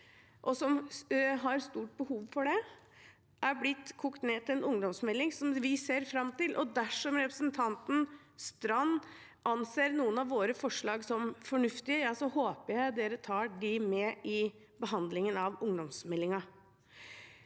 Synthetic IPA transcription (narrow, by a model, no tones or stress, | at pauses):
ʔɔsɔmɦɑɾst̪uːʈ̚bəhuːʋfɔɖɛ | ʔæɾblɪt̪ːkʰʊkt̪neːt̪ʰɪlɛnʊŋd̪ɔmsmɛlːɪŋsɔmʋɪseːɾfɾɑmːt̪ɪlʔɔd̪æʂɔmɾɛpɾəsnt̪ʰɑnt̪n̩ | st̪ɾɑnː | ʔɑnseːɾnuːənɑʋʋːoːɾəfɔʂɭɑːɡsɔmfɔɳʉft̪ɪəjɑsɔhoːpəjæɪd̪eːɾət̪ʰɑːɖɪmɛːʔɪ | bəɦɑnd̪lɪŋənɑʋʊŋd̪ɔmsmɛlːɪŋɑ